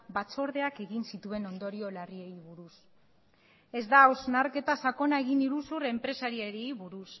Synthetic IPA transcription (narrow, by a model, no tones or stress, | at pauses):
bat͡so̞ɾðe̞ake̞ɣinsit̪ue̞no̞nd̪o̞ɾio̞larie̞jβuɾus | e̞zd̪aoznaɾke̞t̪asako̞nae̞ɣiniɾusure̞mpɾe̞saɾieɾiejβuɾus